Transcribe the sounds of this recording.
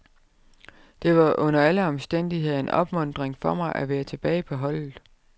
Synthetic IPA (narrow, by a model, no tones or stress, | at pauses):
d̥e̝ʋɑ̈ʔɔ̽n̰ɐæləɒ̽msd̥en̰d̥iɦe̝ð̰ˠnɒ̽b̥mɔ̽n̰d̥ʁeŋfɒ̽mɑ̈ɪʔæʋeːɐt͡sʰe̝b̥ɛːɪpʰɒ̽ɦɒ̽l̰ð̩ˠ